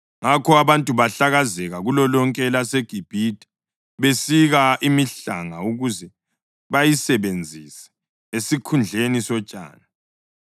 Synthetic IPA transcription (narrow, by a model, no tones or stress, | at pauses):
ŋakʰɔaβantʼuβaɬaɣazɛɣaɣulɔlɔŋkʼɛlaseɡ̥ʱib̥ʱitʼi̥ | βesiɣaʔimiɬa̰ŋauɣuzɛ | βajisɛβend͡zʱisɛ̥ | esikʰund͡ɮʱenisɔt͡ʃʼa̰ːna